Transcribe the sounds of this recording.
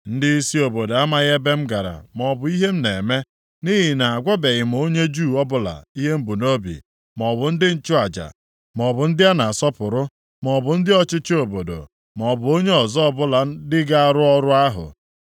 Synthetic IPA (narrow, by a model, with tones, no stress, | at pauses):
n̩˦dɪ˦i˦si˦o˨bo˨do˨a˦ma˦ɣe˦be˦m̩˦ɡa˨ɾa̰˨m˨ɔ˨bʊ˨i˦ɦe˦m̩˦ne˨me˦ | ni˦ɦi˨na˨a˨ɡʷa˦be˨ɣɪ˨m˨o˦ɲe˦d͡ʒu˦˨ɔ˦bʊ˦la̰˨i˦ɦe˦m̩˦bu˨no˦bḭ˨ | m˨ɔ˨bʊ˨n̩˦dɪ˦n̩˦t͡ʃʊ˦a˨d͡ʒa̰˨ | m˨ɔ˨bʊ˨n̩˦dɪ˦a˦na˨sɔ˦pʊ˨ɾʊ˦ | m˨ɔ˨bʊ˨n̩˦dɪ˦ɔ˦t͡ʃɪ˦t͡ʃɪ˦o˨bo˨do̰˨ | m˨ɔ˨bʊ˨o˦ɲe˦ɔ˨zɔ˦ɔ˦bʊ˦la˨n̩˦dɪ˦ɡa˦a˦˨ɾʊ˦ɔ˦ɾʊ˦a˦ɦʊ̰˨